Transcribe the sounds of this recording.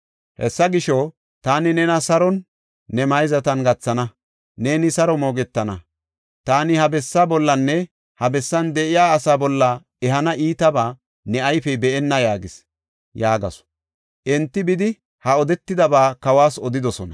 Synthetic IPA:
hɛsːɐɡɪʃɔ | t̪aːnɪnɛnɐsɐɾɔnː | ɛmɐjzɐt̪ɐnɡɐt͡sːɐnɐ | ne̞ːnɪsɐɾɔmo̞ːɡɛt̪ːɐnɐ | t̪aːnɪhɐbɛsːaːbɔlːɐnːɛ | hɐbɛsːɐnd̪ɛʔɪjaːɐsaːbɔlːɐ | ɛɦɐnɐʔiːt̪ɐbaː | nɛʔɐjfɛbɛɛnːɐjaːɡɪs | jaːɡɐ̰sɔ̥ | ʔɛnt̪ːɪbɪd̪ɪ | hɐɔd̪ɛt̪ːɪd̪ɐbaːkɐwaːsɔd̪ɪd̪ɔsɔnɐ

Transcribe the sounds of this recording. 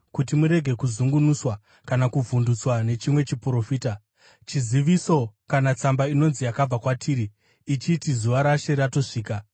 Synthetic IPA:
kutimuɾe̞ɡʱe̞kuzuŋɡunuswa | kanakuvundut͡swane̞t͡ʃimwe̞t͡ʃipuro̞fiːta | t͡ʃiziʋiso̞kanat͡sambaino̞nzijakab͡vakwatʰiːɾiː | t͡ʃitizuʋaɾaʃe̞rato̞ʂiːka

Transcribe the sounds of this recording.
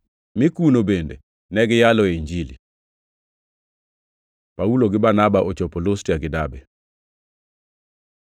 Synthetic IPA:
mɪkunobende | nɛɡɪjalɔeɲd͡ʒilḭ | pauloɡɪbanabaʔot͡ʃopolostiaɡɪdabɛ

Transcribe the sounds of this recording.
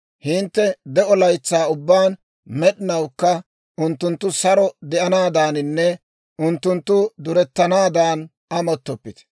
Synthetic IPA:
hɪnt̪ːɛd̪ɛɔlɐjt͡sːaːʊbːaːn | mɛɗɪnɐwkːɐ | ʊnt̪ːʊnt̪ːʊsɐɾɔd̪ɛʔɐnaːd̪aːnɪnːɛ | ʔʊnt̪ːʊnt̪ːʊd̪ʊɾɛt̪ːɐnaːd̪aːn | ɐmɔt̪ːɔpːɪt̪ɛ̥

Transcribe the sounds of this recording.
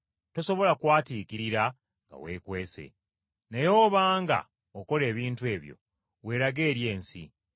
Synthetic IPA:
to̞so̞βo̞lakwaːtiːkiɾiɾa | ŋɡa̰we̞̰ːkwe̞ːse̞̰ | nejo̞ːβaːŋɡa̰ | oko̞le̞ːβiːntwe̞ːβjo̞̰ | we̞ːɾaɡe̞ːɾje̞ːnsḭ

